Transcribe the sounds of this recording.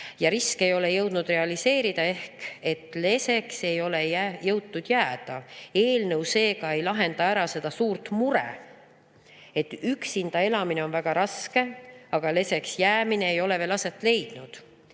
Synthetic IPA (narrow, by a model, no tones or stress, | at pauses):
jɑɾiske̞jo̞le̞jɤwd̪̥nud̪̥re̞ɑlise̞ːɾid̪̥ɑe̞hke̞t̪ːˑle̞se̞kse̞jo̞lejæjɤwt̪ːud̪̥jæːd̪̥ɑe̞ːlnɤwse̞ːɡ̥ɑe̞jlɑɦe̞nd̪ɑæɾɑse̞d̪̥ɑsuːɾt̪muɾḛ | e̞t̪ːyksind̪̥ɑe̞lɑmine̞o̞nvæɡ̥ɑɾɑske̞ɑɡ̥ɑle̞se̞ksjæːmineejo̞le̞ve̞ːlɑse̞t̪ːˑle̞jd̪̥nud̪̥